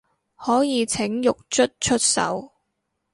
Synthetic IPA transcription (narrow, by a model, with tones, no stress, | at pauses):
hɔː˨˥jiː˨˧t͡sʰɪ˨˥ŋjʊ˨k̚t͡ʃʰɵ˥t̚t͡ʃʰɵ˥t̚sɐ̰˨˥w